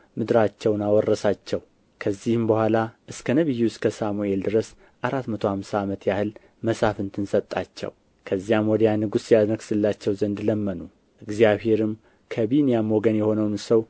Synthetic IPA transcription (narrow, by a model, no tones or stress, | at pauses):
mɨd̪ɾat͡ʃːɛwnawɔrːəsat͡ʃːɛw | kʰəzːihɨmbəhʷalaʔɨskʰənəβɨjːiwʊskʰəsamueld̪ɨɾəs | ʔaɾat̪mət̪ʰo̞hamsaːmət̪ʰjahɨl | məsafɨnt̪ʰɨnsət̪ʼːat͡ʃːɛ̰w | kʰəzːijamwɔd̪janɨɡusjad̪ɾəɡsɨlːat͡ʃːɛwzənd̪ləmːənu | ʔɨɡzjaβhe̞ɾɨm | kʰəβinjamoɡənjɛho̞nəwnsəw